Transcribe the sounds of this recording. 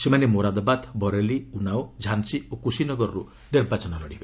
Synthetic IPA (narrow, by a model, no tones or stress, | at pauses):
semanemoɾad̪ɔbad̪bɔɾeliunawd͡ʒʱansiokusinɔɡɔɾɔɾu | niɾbat͡ʃɔnɔlɔɽibe